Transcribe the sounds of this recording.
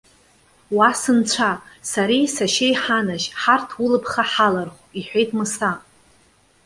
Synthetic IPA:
wasɨnt͡ɕʷʰasaɾijsaʃejħanaʃħartʰwʊlɨpʰχaħalarχʷ | iħᶣʷejtʰmɨsa

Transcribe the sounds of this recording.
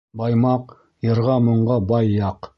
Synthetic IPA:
bɑjmɑq | jɤ̆ɾʁɑmŏɴʁɑbɑjːɑq

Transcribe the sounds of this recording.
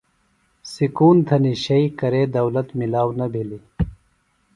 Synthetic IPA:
sikuːnt̪ʰɐniɕɐikɐɾeːd̪ɐwlɐt̪milaːwnɐbʱili

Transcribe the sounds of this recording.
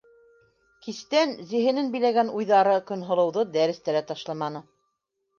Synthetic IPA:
kist̪ænzĭɦɘ̆nɘnbɘ̆jlæɡænujðɑɾɤkɵ̆nɦŏlˠɤ̆wðɤd̪æɾɘ̆st̪æɾæt̪ɑʃlˠɑmɑnɤ

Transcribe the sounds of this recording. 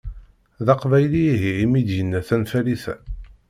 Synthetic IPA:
ðɑqvæjliɦiimid̪jənːæθænfæliθæ̰

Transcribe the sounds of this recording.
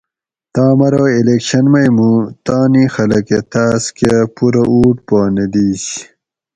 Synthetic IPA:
t̪aːmɐɾoːilekɕɐnmɐjmũt̪aːnixɐlɐket̪aːskepuɾɐuːʈpaːned̪iːs

